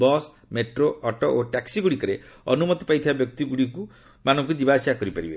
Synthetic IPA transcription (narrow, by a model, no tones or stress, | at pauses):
bɔs | meʈɾoɔʈɔʔoʈaksiɡuɽikɔɾeɔ̰numɔt̪i̥pajt̪ʰibabjɔk̚t̪iɡuɽiku | manɔŋk̬ud͡ʒibasiakɔɾipaɾibe